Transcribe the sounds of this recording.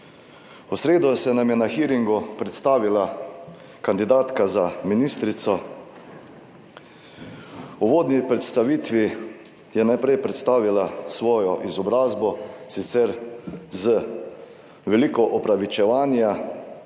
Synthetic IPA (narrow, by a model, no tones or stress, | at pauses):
usɾeːd̪ɔsɛnamjɛnaxiɾiŋɡupɾɛt̪st̪aːʋila | kand̪id̪aːt̪kazaminiːst̪ɾit̪sɔ | uʋoːd̪nipɾɛt̪st̪aʋiːt̪ʋi | jɛnajpɾɛjpɾɛt̪st̪aːʋilasʋɔːjɔʔizɔbɾaːzbɔsit̪sɛɾzə | ʋɛliːkɔʔɔpɾaʋit͡ʃɛʋaːnja